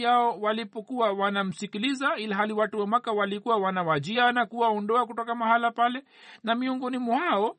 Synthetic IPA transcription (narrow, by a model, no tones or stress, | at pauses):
aɔwalipɔkuwawanam̩sikilizailaɦaliwatuwɛmwakawalikuwawanawad͡ʒianakuwaɔndɔakutɔkamahalapalɛ | namiɔŋɡɔnimuhaɔ